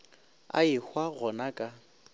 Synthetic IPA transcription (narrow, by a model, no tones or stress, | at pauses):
a̰ɪhwaɣɔnakʼa